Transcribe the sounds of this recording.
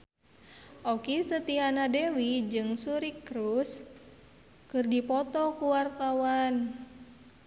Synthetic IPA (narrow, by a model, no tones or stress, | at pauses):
ʔɔkisət̪ianadɛwid͡ʒɨŋsuɾikɾus | kɨrdipɔt̪ɔkuwart̪awan